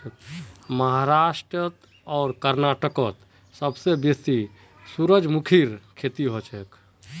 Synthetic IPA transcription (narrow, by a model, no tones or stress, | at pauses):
məɦaɾaʃʈɾət̪ | ɔːɾkəɾnaʈəkət̪ | səbsebesi | suɾəd͡ʒmukʰiɾkʰet̪iɦot͡ʃʰek